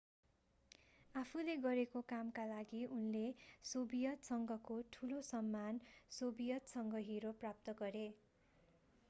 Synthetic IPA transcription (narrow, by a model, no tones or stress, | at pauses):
apʰuleɡʌɾekokamkalaɡiʔunlesobijʌt̪sʌŋɡʱʌkoʈʰulosʌmːansobijʌt̪sʌŋɡʌɦiɾoprap̚t̪ʌɡʌɾe